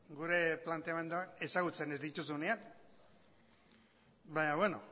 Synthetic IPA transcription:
ɡuɾe̞plant̪eame̞nd̪oane̞saɣut͡se̞ne̞zd̪it̪usuneak | baɲaβwe̞no̞̰

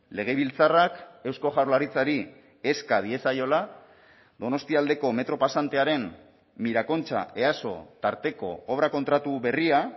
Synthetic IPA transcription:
le̞ɣ̞e̞β̞ilt͡sarake̞wsko̞ʝaɾlaɾit͡saɾi | e̞skaðie̞sajo̞la | d̪o̞no̞st̪iald̪e̞ko̞me̞t̪ɾo̞pasant̪e̞aɾe̞m | miɾako̞nt͡ʃa̰e̞aso̞̰t̪aɾt̪e̞ko̞̰oβɾako̞nt̪ɾat̪uβe̞ria

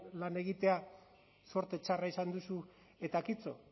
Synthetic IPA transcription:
lane̞ɣ̞it̪e̞a | so̞ɾt̪e̞t͡ʃaraisand̪usu | e̞t̪akit͡so̞

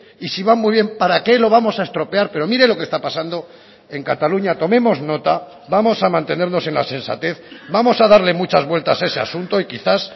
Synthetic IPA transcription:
isiβammujβ̞je̞mpaɾake̞lo̞β̞amo̞sae̞st̪ɾo̞pe̞aɾpe̞ɾo̞miɾe̞lo̞kest̪apasand̪o̞ | e̞ŋkat̪aluɲat̪o̞mẽ̞mo̞zno̞t̪a | βamo̞samãnt̪e̞ne̞ɾno̞sẽ̞nla̰sẽ̞nsa̰t̪e̞θbamo̞saðaɾle̞mut͡ʃazβwe̞lt̪asae̞se̞a̰sunt̪o̞ikiθas

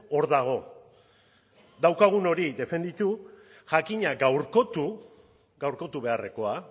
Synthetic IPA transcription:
o̞ɾðaɣ̞o̞ | d̪awkaɣ̞uno̞ɾid̪e̞fe̞nd̪it̪u | ʝakiɲaɡawɾko̞t̪u | ɡawɾko̞t̪uβe̞are̞ko̞a

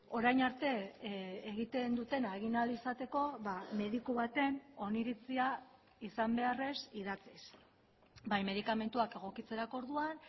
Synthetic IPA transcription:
o̞ɾajnaɾt̪e̞ː | ɣit̪e̞nd̪ut̪e̞naɣinalisat̪e̞ko̞βame̞ðikuβat̪e̞no̞niɾit͡sia | isambe̞are̞sið̞at͡sis | bajme̞ð̞ikame̞nt̪uake̞ɣ̞o̞kit͡se̞ɾako̞ɾðuan

